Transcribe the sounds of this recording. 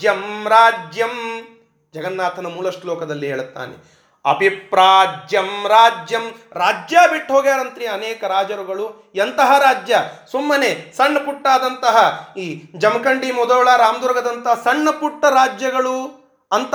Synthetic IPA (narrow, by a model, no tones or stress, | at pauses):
jɐmɾaːd͡ʒjɐm | d͡ʒɐɡɐnːaːt̪ʰɐnɐmuːlɐʂʈɐlɔːkɐd̪ɐlːiɦeːɭut̪ːa̰ːnḛ | ɐ̰bʱipɾaːd͡ʒjɐmɾaːd͡ʒjɐmɾaːd͡ʒjaːbiʈːɦoːɡaːɾɐnt̪ɾiɐnɛːkɐɾaːd͡ʒɐɾuɡɐɭu | ɐnt̪ɐɦɐɾaːd͡ʒjɐsumːɐnesɐɳːɐpuʈːaːd̪ɐnt̪ɐɦɐiːd͡ʒɐmɐkɐɳɖimɔd̪ɐːɭaɾaːmɐd̪uɾɡɐd̪ɐnt̪ɐɦɐsɐɳːɐpuʈːɐɾaːd͡ʒjɐɡɐɭu | ɐnt̪